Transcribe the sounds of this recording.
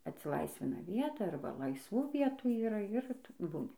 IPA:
ɐtʲsʲɪˈlˠɐɪsʲʋʲɪnɐ ˈʋʲiɛtɐ ˈɐrbɐ lˠɐɪsˈʋuː ˈʋʲiɛtuː iːˈrɐ ɪr ˈtʊ ˈbuːnʲɪ

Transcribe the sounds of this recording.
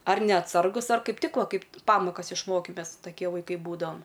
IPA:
ɐr nʲɛɐtˈsɐrɡʊs ɐr ˈkɐɪp ˈtʲɪk ˈʋɐ ˈkɐɪp ˈpɑːmoːkɐs ɪʃˈmoːkʲɪ ˈmʲɛs tɐˈkʲiɛ ʋɐɪˈkɐɪ ˈbuːdɐʋɐm

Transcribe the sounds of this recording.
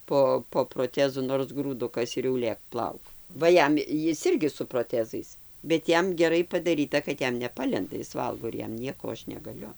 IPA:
ˈpoː poː proːˈtʲæːzʊ noːrs ɡruːˈdʊkɐs ɪr jɛʊ ˈlʲeːk ˈplˠɐʊk ˈʋɐ ˈjɛm ˈjɪs ˈɪrʲɡʲɪ sʊ proːˈtʲæːzɐɪs bʲɛt ˈjɛm ɡʲɛˈrɐɪ pɐdɐˈrʲiːtɐ kɐt ˈjɛm nʲɛˈpɑːlʲɛndɐ ˈjɪs ˈʋɐlˠɡoː ɪr ˈjɛm ˈnʲiɛkoː oː ˈɐʃ nʲɛɡɐˈlʲʊ

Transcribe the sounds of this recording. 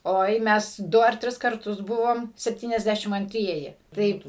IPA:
ˈoːɪ ˈmʲɛs ˈdʊ ɐr ˈtʲrʲɪs kɐrˈtʊs ˈbʊʋoːm sʲɛpʲˌtʲiːnʲɛzʲˈdʲæʃʲɪm ɐnʲˈtʲrʲiɛjɪ ˈtɐɪp

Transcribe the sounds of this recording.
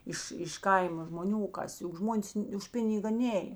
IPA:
ˈɪʃ ɪʃ ˈkɐɪmɐ ʒmoːˈnʲuː oː ˈkɐs jʊk ˈʒmoːnʲeːs ʊʃ ˈpʲɪnʲɪɡɐ ˈnʲeːj

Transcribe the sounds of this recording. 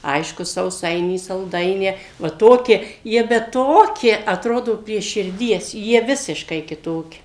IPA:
ˈɐɪʃkʊ sɐʊˈsɐɪnʲiː sɐlˠˈdɐɪnʲæː ʋɐ ˈtoːkʲiɛ ˈjiɛ bʲɛt ˈtoːkʲiɛ ɐtˈroːdoː pʲrʲiɛ ʃʲɪrʲˈdʲiɛs jiɛ ˈʋʲɪsʲɪʃkɐɪ kʲɪˈtoːkʲɪ

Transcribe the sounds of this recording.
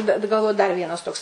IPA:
bʲɛt ɡɐlˠˈʋoːjʊ dɐr ˈʋʲiɛnɐs ˈtoːks

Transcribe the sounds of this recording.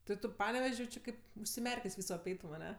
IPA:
tʲɪ ˈtʊ ˈpɑːnʲɛʋʲɛʃʲ jɛʊ ˈt͡ʃʲɪ ˈkɐɪp ʊʃʲsʲɪˈmʲɛrʲkʲeːsʲ ˈʋʲiːsoː ɐpʲˈɛɪtʊm ɐˈnʲɛ

